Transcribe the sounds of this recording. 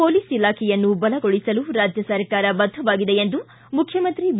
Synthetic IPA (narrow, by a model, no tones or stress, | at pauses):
poːliːsilaːkʰɛjɐnːubɐlɐɡoɭisɐluɾaːd͡ʒʱjɐsɐɾkaːɾɐbɐd̪ʱːɐʋaːɡid̪eend̪u | mukʰjɐmɐnt̪ɾib